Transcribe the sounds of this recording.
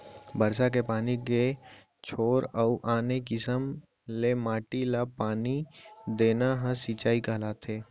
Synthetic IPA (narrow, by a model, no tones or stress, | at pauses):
bəɾsak̬epaːnike | t͡ʃʰoːɾəuʔaːnekɪsəm | lemaːʈilapaːnid̪eːnaɦə̃siːt͡ʃaːikaːlaːt̪ʰeː